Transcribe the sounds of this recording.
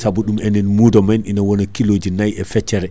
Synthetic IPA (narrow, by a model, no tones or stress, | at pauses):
sabuɗumɛnɛnmudɔmanʔinawɔnɔkilod͡ʒinajɛfɛt͡ʃːɛɾɛ